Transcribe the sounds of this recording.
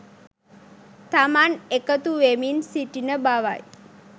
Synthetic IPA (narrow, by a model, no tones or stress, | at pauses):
t̪amanekət̪uʋeminsiʈinəbaʋa̰j